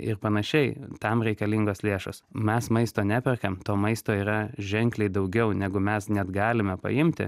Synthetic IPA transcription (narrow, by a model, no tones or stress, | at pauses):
ɪ̰rpɐnɐʃʲɛɪt̪ɐmɾʲɛɪkɐlʲiŋɡoːslʲeːʃo̰smʲɛsmɐɪst̪oːnʲæpʲɛrkɐmt̪oːmɐɪst̪oːiːɾɐʒʲɛŋklʲɛɪd̪ɐʊɡʲɛʊnʲæɡʊmʲɛsnʲɛd̪ɡɑːlʲɪmʲɛpɐ̰ɪmʲt̪ʲɪ̰